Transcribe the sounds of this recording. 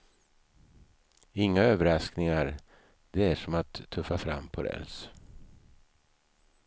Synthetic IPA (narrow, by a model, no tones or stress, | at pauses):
ɪŋːaøːvəɾasknɪŋaɾ | d̪ɛæʂɔmat̪ʰːɵfːafɾa̰mːpʰɔɾɛ̰ls